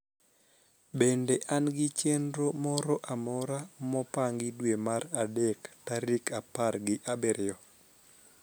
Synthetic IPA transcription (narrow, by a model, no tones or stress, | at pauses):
bendeʔanɡɪt͡ʃendɾomɔɾɔʔamɔɾamɔpaŋɡɪdwemaɾadektaɾikaparɡɪʔabeɾɪɔ